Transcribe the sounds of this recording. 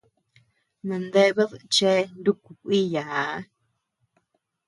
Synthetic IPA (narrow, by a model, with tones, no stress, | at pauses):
nã˨nd̪e˦βe˦ðt͡ʃe˦nd̪u˦ku˨kʷi˦ja˨˦